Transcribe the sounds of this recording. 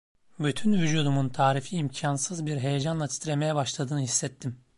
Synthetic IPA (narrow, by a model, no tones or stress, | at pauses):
byt̪ʰynvyd͡ʒuːd̪umunt̪ʰaːɾifiːmcʰansɯzbiɾɦe̞jed͡ʒanlˠat̪ʰi̥t̪ɾeme̞jɛbaʃlˠad̪ɯːnɯhisːɛt̪ʰːim